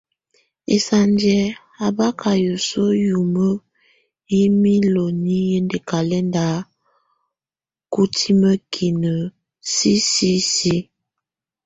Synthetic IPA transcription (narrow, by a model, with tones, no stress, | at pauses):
ḛ˨sa˨nd͡ʒɛ˨ | a˨ba˦kʰa˨jo˨so˦ju˨mə˦ | i˦mi˦lo˨ni˦je˦nde˨ka˨lɛ˦nda˨˦ | ku˦tʰi˦mə˦kʰi˨nə˨ | si˦si˦si˦